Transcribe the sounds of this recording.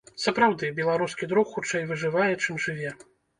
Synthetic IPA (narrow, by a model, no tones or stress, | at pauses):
sɐpɾawd̪ɨbʲɛlˠaɾuskʲid̪ɾukxut͡ʂɛjvɨʐɨvajɛt͡ʂɨmʐɨvʲɛ